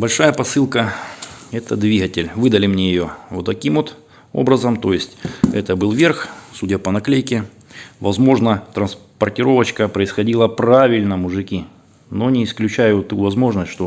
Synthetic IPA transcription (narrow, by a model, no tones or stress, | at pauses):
bɐlʲʂajəpɐsɨlˠkə | ɛt̪əd̪vʲiɣətʲɪlʲvɨd̪əlʲɪmnʲejɪjo̞vot̪ːɐkʲimot̪ | o̞̰bɾəzəmt̪o̞jɪsʲtʲɛt̪əbɨlˠvʲerxsudʲəpənɐklʲejkʲɪ | vɐzmo̞ʐnət̪ɾənspərtʲɪɾo̞vət͡ɕkəpɾəɪsxɐdʲilˠəpravʲɪlʲnəmʊʐɨkʲi | no̞nʲɪɪsklʲʉt͡ɕæjʊt̪uvɐzmo̞ʐnəsʲtʂt̪o̞